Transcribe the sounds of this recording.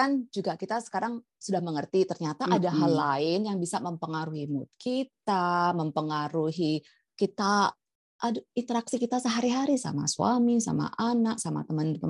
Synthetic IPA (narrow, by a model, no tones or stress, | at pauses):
kand͡ʒuɡakit̪asə̥kaɾaŋ | sudahməŋərt̪it̪ərɲat̪aʔadaɦalaɪnjaŋbisaməmpəŋaɾuhimut̪̚kʰit̪aməmpəŋaɾuɦi | kit̪a | ʔadint̪əɾaksikit̪asəɦaɾiɦaɾisa̰ma̰sua̰misa̰ma̰ʔanaksama̰t̪əmənə